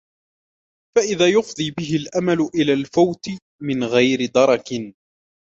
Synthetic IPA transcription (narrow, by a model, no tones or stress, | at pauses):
faʔɪðaːjʊfd̪ˤiːbɪɦɪlʔamalʊʔɪlaːlfawt̪ɪ | mɪnɣajɾɪd̪ɑɾˤɑkɪ